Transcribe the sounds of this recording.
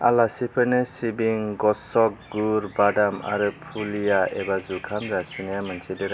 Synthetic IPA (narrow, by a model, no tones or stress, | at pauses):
a̰lasipʰɯnesibiŋɡɔsɔk̚ɡuɾbadama̰ɾɯpʰulijaebazukʰamzasinejamant͡ʃʰideɾa